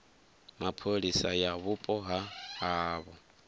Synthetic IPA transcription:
mapʰolisajaβupʼɔɦahaβɔ

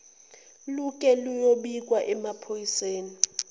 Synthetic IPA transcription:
lukʼɛlujoɓik̬ʼwaʔɛmapʰojiseːni

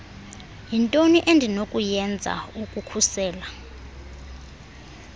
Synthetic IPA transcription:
jintʼoniʔendʱinokʼujɛnd͡zʱa̰ukʼukʰusɛːla

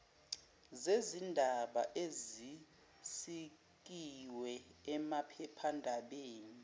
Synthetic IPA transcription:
zezindʱaɓaʔezi | si | k̬iwɛɛmapʰɛpʰandʱaɓeːni

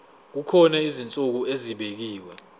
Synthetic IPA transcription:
k̬ukʰɔnɛizint͡sʼuk̬ueziɓek̬iːwɛ

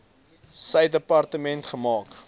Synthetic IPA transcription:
sɛjdəpɐrtəmɛntχəmɑːk

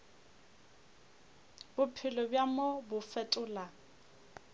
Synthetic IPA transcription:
bʊpʰɪlɔbjamɔbʊfɛtʼʊːla

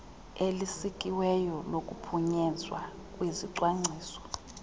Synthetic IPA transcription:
elisikʼiwɛjɔlokʼupʰuɲɛzwa̰ | kʼwiziǀwaŋ͡ǀʱiːsɔ̥

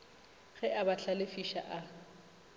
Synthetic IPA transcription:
ɣɛʔabaɬʰalɪfiʃa̰ʔa

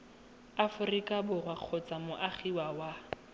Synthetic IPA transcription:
afʊrikʼabʊrwaq͡χʰɔt͡sʼamʊʔaχiwawa

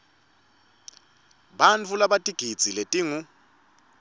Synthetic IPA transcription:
ɓant͡fʰulaɓatʼiɡ̥ʱid̥d͡z̥ʱiletʼiːŋu

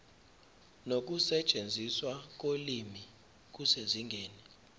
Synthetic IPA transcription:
nok̬ʼusɛt͡ʃʼend͡zʱiswak̬ʼolimi | k̬useziŋɡʱeːni

